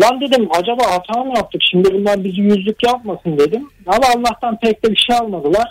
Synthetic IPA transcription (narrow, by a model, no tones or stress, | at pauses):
b̪and̪e̞d̪imad͡ʒabaːɦat̪ʰaːɯmjap̚t̪ʰɯkʃimd̪ibunlʲæɾbizijyzlʲycjap̚masɯnd̪e̞d̪imamaːlˠːaht̪anpʰɛc̚t̪ɛbiʃejalˠmad̪ɯlˠaɾ̥